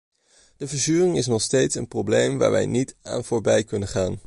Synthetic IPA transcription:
d̥əvəɹzyːrɪŋɪsnɔχstejtsənprowblejmʋa̰ːɹʋɛ̰jnita̰ːnv̥ʊːɹbɛjkɵnənχaːn

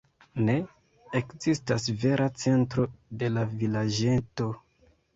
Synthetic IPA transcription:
ne̞ː | kzistasve̞ɾʔat͡se̞ntɾo̞de̞lavilad͡ʒeto̞

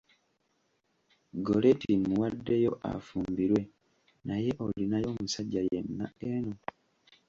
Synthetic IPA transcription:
ɡo̞letimuwadːe̞jo̞̰ʔa̰fuːmbiɾwe̞ | naje̞ʔolinajo̞ːmusaɟːaje̞mnae̞ːno̞

